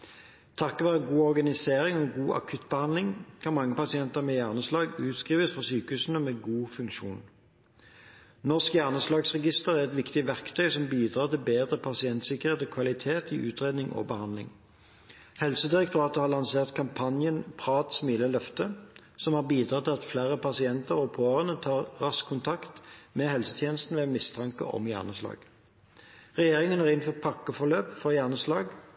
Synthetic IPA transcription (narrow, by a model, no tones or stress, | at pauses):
t̪ʰɑkːɔʋæːʁəɡuːɔʁɡɑnɪseːʁɪŋɔɡuːʔɑ̰kʰʉt̪ːbəhɑnd̪lɪŋkʰɑnmɑŋːəpɑsɪɛnt̪əʁmɛjæʁnəslɑːɡʉːt̪skʁiːʋəsfɔʁsyːkəʉːsn̩əmɛːɡuːfʉŋkʃuːn | nɔʁskjæʁnəslɑːɡsʁɛɡɪst̪əʁæʁɛt̪ʋɪkt̪ɪʋæʁkt̪ʰœʏsɔmbiːd̪ʁɑːt̪ʰɪlbeːd̪ʁəpʰɑsɪɛnt̪sɪkəʁeːt̪ɔːkʰʋɑlɪt̪ʰeːt̪iʔʉːt̪ʁeːd̪nɪŋʔo̰bəhɑnd̪lɪ̰ŋ | hɛlsəd̪ɪʁɛk̚t̪ʰʊɑːt̪əhɑːʁlɑnseːʁt̪kʰɑmpʰɑnjənpʰʁɑːt̪smiːləlœft̪ə | sɔmhɑːbiːd̪ʁɑːt̪ɪlɑt̪flæːʁəpʰɑsɪɛnt̪əʁɔpʰøːəʁənət̪ʰɑːʁːɑskʰːʊnt̪ʰɑkt̪mɛhɛlsət̪ʰjeːnəst̪n̩ʋɛmɪst̪ʰɑŋkə̰ʔɔ̰mjæ̰ːʁnəslɑ̰ːɡ | ʁɛjeːʁɪŋənæʁɪnfɔpʰɑkːəfɔʁløːpfɔjæʁnəslɑːɡ